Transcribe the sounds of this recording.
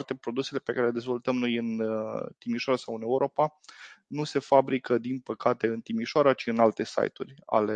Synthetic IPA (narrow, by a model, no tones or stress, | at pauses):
t̪e̞pɾo̞d̪use̞le̞pekaɾeled̪ezvo̞lt̪əmno̞jɨnt̪imiʃoaɾasawɨne̞uɾʔo̞panuse̞fabɾikəd̪inpəkat̪e̞ɨnt̪imiʃoaɾat͡ʃiɨnalt̪e̞sa̰jt̪ṵrʲa̰le